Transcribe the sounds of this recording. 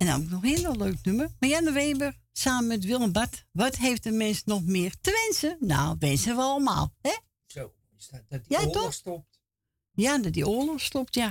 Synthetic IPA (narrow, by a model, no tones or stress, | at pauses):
ɛnɔ̰ɪknɔxɪənʋɔløːk̚nømərmajanəʋeːbər | saːməmɛt̬ʋilˠəmbatʋɔtheːftəmɪnsnɔxmɪːrtəʋɪnsəna̰ʋɪnsəʋəɔlˠəma̰ːlˠhɛ | o | jatɔxstɔp̚t | jadɔt̚dioəlˠəxstɔp̚tja